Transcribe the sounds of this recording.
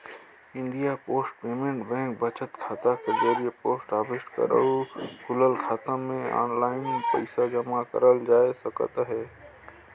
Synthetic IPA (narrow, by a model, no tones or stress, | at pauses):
ɪ̃ɳɖijapoːsʈ̚peːmẽɳʈbɛ̃ːŋk̚bət͡ʃət̪kʰaːt̪akezəɾiepoːsʈaːbɪsʈkə̰ɾə̰ukʊləlkʰaːt̪ãmẽɔ̰ːnlaːɪnpəɪsad͡ʒəmakə̰ɾəld͡ʒaːesəkə̰t̪ɦɛː